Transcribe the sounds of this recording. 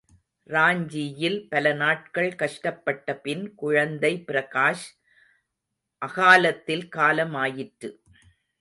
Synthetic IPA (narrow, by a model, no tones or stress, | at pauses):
ɾaːɲd͡ʒijɪlpɐlɐnaːʈ̚kɐɭkɐʂʈɐpːɐʈːɐpɪnkʊɻɐnd̪ɐɪpɪɾɐɣaːʂ | ʔɐɣaːlɐt̪ːɪlkaːlɐmaːjɪʈɾɯ